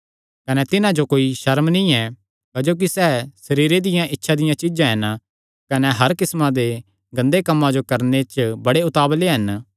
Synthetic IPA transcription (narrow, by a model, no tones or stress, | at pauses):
kɐnɛt̪ɪnãd͡ʒokoːiʃɐɾmnĩɛ | kɐd͡ʒoːk̬isɛːsɐɾiːɾed̪ɪjãʔɪtːʃʰad̪ɪjãt͡ʃɪd͡ʒãɦɐn | kɐneɦɐɾkɪsmãd̪e | ɡɐ̃nd̪ekɐmːãd͡ʒokɐɾnet͡ʃbɐɽeʊt̪aːbleɦɐn